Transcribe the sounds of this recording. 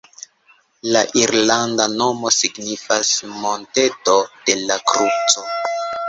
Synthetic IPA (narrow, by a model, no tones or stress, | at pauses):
laʔiɾlandano̞mo̞siɡnifasmo̞nte̞to̞d̥e̞lakɾut͡so̞